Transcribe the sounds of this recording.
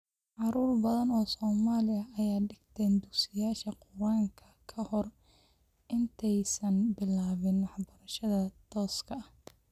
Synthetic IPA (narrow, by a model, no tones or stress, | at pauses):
ʕɑɾuːrbɐðɐnɔːsɔːmaːlɪɐɐjaːɖɪɡt̪ʰɛːnd̪ʊɡsɪjaːʃɐqʊwaːŋkʰɐkʰɐhɔr | ʔɪnt̪ʰɛjsɐnbɪlaːβɪnwɑħbɐɾɐʃɐðɐt̪ʰɔːskʰɐh